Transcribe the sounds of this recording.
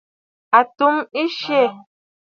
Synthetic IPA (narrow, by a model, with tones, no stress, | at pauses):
a˨tu˦mi˦ʃe˦˨